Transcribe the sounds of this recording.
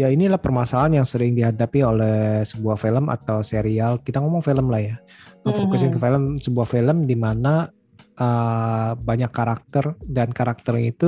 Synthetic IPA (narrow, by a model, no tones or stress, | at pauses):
jainilahpərmasalanjaŋsəɾɪŋdiɦadapiolɛsəbuahfiləma̰t̪awseɾialkit̪aŋomɔŋfiləmlahjaəfokusɪnkəfeləmsəbuahfiləmdimana | ə | baɲakːaɾak̚t̪ərdankaɾak̚t̪ərit̪u